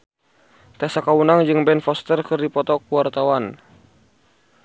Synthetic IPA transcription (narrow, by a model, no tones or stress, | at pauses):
t̪asakaunaŋd͡ʒɨŋbɛnfɔst̪ərkɨrdipɔt̪ɔkuwart̪awan